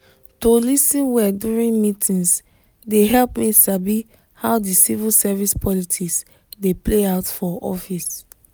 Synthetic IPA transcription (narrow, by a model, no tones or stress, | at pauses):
tolisĩnwɛduɹĩnmitʰĩns | deɦɛlpmisabi | haʊdisivilsɛvispʰɔlitʰiks | depleaʊtfɔɔ̰fis